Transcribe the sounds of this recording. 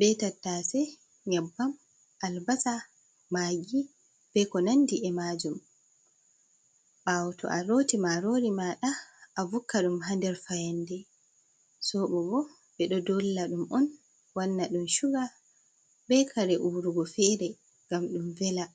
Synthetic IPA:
bɛtatːasɛ | ɲabːam | ʔalbasa | maɡi | b̥ɛkɔnandiʔɛmad͡ʒum | ɓawtʰɔ̰ʔaɾotimaɾoɾimaɗaːvukːaɗumɦandɛɾfajandɛ | sɔɓɔbɔ | ɓɛɗɔdɔlːaɗumɔn | wanːaɗumʃuɡa | bɛkʰaɾɛʔuɾuɡɔfɛɾɛ | ɡamɗumvɛla

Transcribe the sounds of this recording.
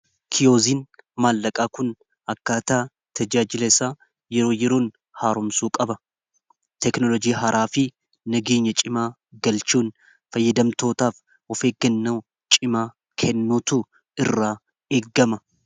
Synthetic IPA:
kʰɪjo̞ːziːnmaːlːɐkʼaːkʊn | ɐkːaːt̪aː | t̪ʰɐd͡ʒaːd͡ʒɪlɐɪsaː | jɛɾo̞ːjɛɾoːn | haːɾʊmsuːkʼɐbɐ | t̪ɛknɔlɔd͡ʒiːɦɐɾʔaːfɪ | nɐɡeːɲːɐt͡ʃʼɪmaː | ɡɐlt͡ʃuːn | fɐjːɐd̪ɐmt̪o̞ːt̪aːf | ɔfeːɡɐnːɐ | t͡ʃʼɪmaː | kʰɛnːuːt̪ʊ | ɪrːaː | eːɡːɐmɐ

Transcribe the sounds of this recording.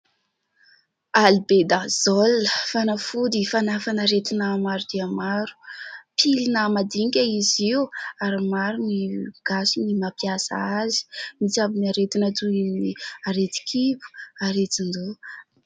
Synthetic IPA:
alibed̪azɔlːəfanafud̪ifanafanaɾet̪inamaɾud̪iamaɾu̥pʰilinəmad̪iŋkʲaiziuaɾimaɾuniɡ̥asinimapjasa̰azi̥mit͡sabinaɾet̪inat̪uiminiaɾet̪i̥kʰipu̥aɾet̪ind̪u

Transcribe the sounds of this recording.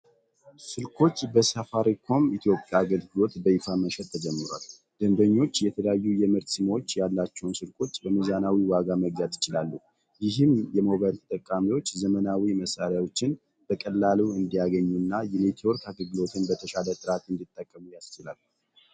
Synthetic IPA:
sɨlkʰo̞t͡ʃːbəsafaɾikʰo̞mit̪ʰjo̞pʼjaɡəlɡɨlo̞t̪bəifaməʃɛt̪ʰːəd͡ʒɛmːɨɾwa̰l | d̪̥ənd̪əɲːo̞t͡ʃːjɛt̪ʰələjajːujɛmɨɾt̪sɨmwot͡ʃːjalːat͡ʃːɛwnsɨlkʼo̞t͡ʃːbəmɨzanawiwaɡaməɡzat̪jɪt͡ʃɪlalːu | jɪɦɨmjɛmo̞βajlt̪ʰə̥t̪ʼəkʼːamiwo̞t͡ʃːzəmənawiməsaɾjawo̞t͡ʃːɪn | b̥əkʼəlːaluɨnd̪ijaɡəɲːunːajɛnet̪ʰio̞ɾkʰaɡəɡɨlo̞t̪ʰɨnbət̪ʰəʃalət̪ʼɨɾat̪ɨnd̪it̪ʼːəkʼːəmujast͡ʃɪlal

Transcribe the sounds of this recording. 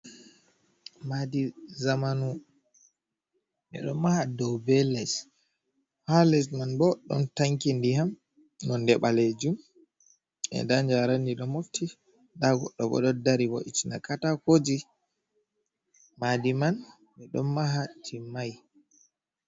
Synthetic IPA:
madizamanu | mɛ̰ɗɔnmahadɔwbɛlɛs | halɛsmanbɔɗɔ̰ntaŋkindiham | nɔndɛɓaled͡ʒum | ɛ̰ndaɲd͡ʒaɾandiɗɔmoftʰi | daɡɔ̰ɗːɔɓɔ̰ɗɔdaɾibɔ̰ʔit͡ʃinakatakod͡ʒi | madiman | mɛɗɔnmaɦatʰimaj

